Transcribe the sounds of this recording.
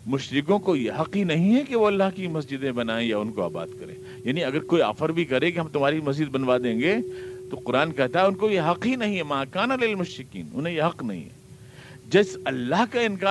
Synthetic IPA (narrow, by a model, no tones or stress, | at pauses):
mʊʃɾɪkõkojeɦɐqɦinɐɦĩɦɛkeʋoɐlːaɦkimɐsd͡ʒɪd̪ẽbɐnaːẽjaʊnkoa̰ːba̰ːd̪kɐɾḛ̃ː | jaːniɐɡəɾkoːia̰ːfəɾbʱikɐɾẽkeɦɐmt̪ʊmɦaːɾimɐs̬d͡ʒɪd̪̚bɐnʋad̪ẽːŋɡeːt̪oqʊɾaːnkɛɦt̪aɦɛʊnkojeɦɐqɦinɐɦĩɦɛmaːkaːnalɪlmʊʃɾɪkḭːnʊ̰nɦẽjeɦɐqnɐɦḭ̃ɦɛ̰ | d͡ʒɐsɐlːaɦkaɪ̃nkaː